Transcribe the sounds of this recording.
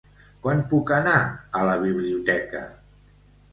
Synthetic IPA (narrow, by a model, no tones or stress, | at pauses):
kwanpukənaələβ̞iβ̞liut̪ɛkə̰